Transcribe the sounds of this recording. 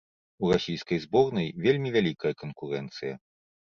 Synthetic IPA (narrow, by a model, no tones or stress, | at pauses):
urasʲijskɐjzbɔrnɐjvʲelʲmʲivʲalʲikɐjɐkɐnkuɾɛnt̪sɨjɐ̰